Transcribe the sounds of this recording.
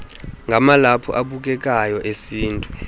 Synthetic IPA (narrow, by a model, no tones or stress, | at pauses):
ŋɡʱamalapʰɔ̰ʔaɓuk̬ɛk̬ʼajɔʔesiːntʼu